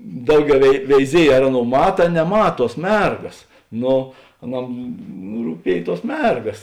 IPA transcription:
ˈdɐʊˌɡʲɛʊ ʋʲɛɪ ʋʲɛɪˈzʲiɛj ɐr ˈɑːˌnoːʊ ˈmɑːtɐ ɐ nʲɛˈmɐt ˈtuɔs ˈmʲɛrɡɐs ˈnoː ɐˈnɐm ruːˈpʲiɛj ˈtuɔs ˈmʲɛrɡɐs

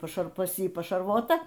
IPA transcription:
pɐˈʃɐr pɐs ˈjiː pɐʃɐrˈʋoːtɐ

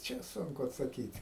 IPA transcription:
ˈt͡ʃʲɛ ˈsʊŋkʊ ɐtsɐˈkʲiːtʲ

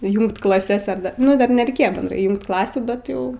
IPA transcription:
ˈjuːŋkt klˠɐˈsʲɛs ɐr ˈdɐ nʊ ˈdɐr nʲɛrʲɛɪˈkʲeːjoː bʲɛnˈdrɐɪ ˈjuːŋkt ˈklˠɑːsʲuː ˈbʲɛt jɛʊ

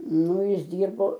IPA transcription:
ˈnʊ ˈjɪs ˈdʲiːrboː

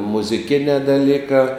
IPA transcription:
mʊzʲɪˈkʲɪnʲɛː dɐˈlʲiːkɑː

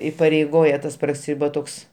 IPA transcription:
ɪpɐrʲɛɪˈɡoːjɛ ˈtɐs prɐˈsʲɪ ʋɐ ˈtoːks

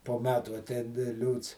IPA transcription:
poː ˈmʲæːtuː ɐˈtʲɛɪn ˈlʲuːts

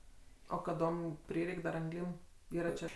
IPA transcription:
oː kɐˈdoːm ˈpʲrʲɪrʲɛɪkʲ dɐr ɐŋˈɡlʲiːm ˈiːrɐ t͡ʃʲɛ

